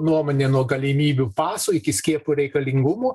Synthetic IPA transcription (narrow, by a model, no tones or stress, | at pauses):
nuɔmoːnʲeːnuɔɡɐlʲɪmʲiːbʲuːpɑːsʊːɪkʲɪsʲkʲiɛpʊɾʲɛɪkɐlʲɪŋɡʊmuː